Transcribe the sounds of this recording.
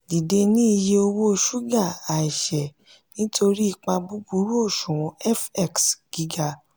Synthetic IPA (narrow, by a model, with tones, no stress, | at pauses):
di˨de˧nĩ˦i˧je˧o˧wo˦˧ʃu˦ɡa˦˨a˨i˨ʃɛ˨ | nĩ˨˦tʰo˧ɾi˦i˧˨k͡pa˧bu˦bu˨˦ɾu˦o˦˨ʃũ˨w̃ɔ̃˧˦ɛ˦˨fɛ˦˨ksɡ̥i˨˦ɡa˧